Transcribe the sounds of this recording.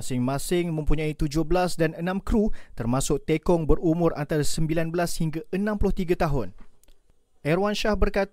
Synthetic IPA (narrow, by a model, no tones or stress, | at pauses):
asɪŋmãsɪŋmə̃mpuɲãit̪ud͡ʒʊhbəlasdanənãmkɾut̪ərmasʊk̚t̪ekɔŋbəɾumʊɾʔa̰nt̪aɾasəmbilanbəlashiŋɡaənãmpulʊht̪iɡat̪aɦʊn | ʔɛrwanʃahbərkat̪